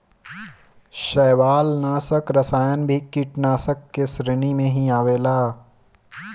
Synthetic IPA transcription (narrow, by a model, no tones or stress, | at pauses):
ʃɛːʋaːlnaːsəkɾɐsaːjənbʱikiʈnaːsəkːesɾɪñimẽɦiaːʋeːlaː